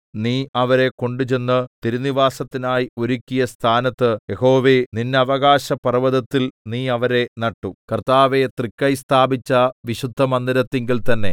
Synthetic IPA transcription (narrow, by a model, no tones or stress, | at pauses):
niːɐʋɐɾe̞ko̞ɳɖut͡ɕe̞nːɨt̪iɾuniʋaːsɐt̪ːinaːjio̞ɾukʲːijɐst̪ʰaːnɐt̪ːɨjeho̞ːʋeninːeɐʋɐɣaːɕɐpɐrɐʋɐðɐt̪ːilniːɐʋɐɾe̞nɐʈːukɐrt̪aːʋet̪rikːɐjst̪ʰaːbit͡ɕːɐʋiɕud̪ʱːɐmɐnd̪ɐɾɐt̪ːeŋɡilt̪ɐnːe̞̰